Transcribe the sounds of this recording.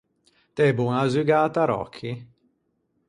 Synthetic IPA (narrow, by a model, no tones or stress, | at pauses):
t̪ɛbuŋazyɡaːt̪aɾɔ̰kʰːi